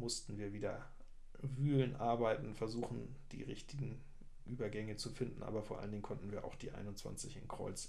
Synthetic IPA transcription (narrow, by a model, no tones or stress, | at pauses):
mʊstn̩viːɐviːdɐ | vyːlənʔaɐbaɪtn̩fɛɐzuːxn̩d̥ḭːʁɪçtʰɪɡŋ̩ | ʔyːbɐɡɛŋət͡sufɪndn̩ʔa̰ːbɐfoːɐʔaləndɪŋ̩kʰɔntn̩viːɐʔa̰ʊxd̥iːʔa̰ɪnʊntt͡sv̥a̰nt͡sɪçɪ̰nkʁ̥ɔ̰ʏt͡s